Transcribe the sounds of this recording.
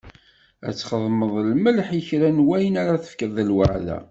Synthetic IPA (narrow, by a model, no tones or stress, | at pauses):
æ̰t͡sːχəðˤməðˤlməlħiçɾænwæjənæɾæθə̥fkəðˤəlwəʕðæ̰